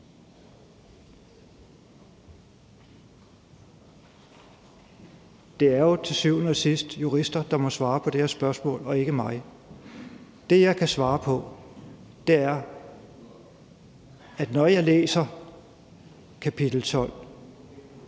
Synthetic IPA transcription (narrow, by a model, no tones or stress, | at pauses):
d̥e̝æɐjo̝t͡sʰe̝syʊ̰n̩sisd̥juʁisd̥ɐd̥ɑ̈mɒ̽sʋɑ̈ːpʰɒ̽d̥eɐsb̥ɶɐsmɔ̰̽ːlɒ̽e̝ɡ̥əmɑ̈ɪ | d̥e̝jɑ̈ɪkʰæsʋɑ̈ːpʰɒ̽ | d̥e̝æɐ | æd̥nɒjɑ̈ɪlḛːsɐ | kʰæpʰid̥l̩t͡sʰɒ̽l̰